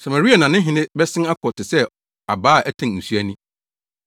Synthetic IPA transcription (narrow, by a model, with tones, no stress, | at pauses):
sa˨ma˨ɾi˦a˨nã˨nɪ̃˦ɦɪ̃˨˦nɪ̃˦bɛ˦sɪ̃˦na˦kʰɔ˨tʰɪ˨sɛ˦ | a˨baː˦˨ʔɛ˦tʰã˨n˨n̩˨su˦æ˦nĩ˦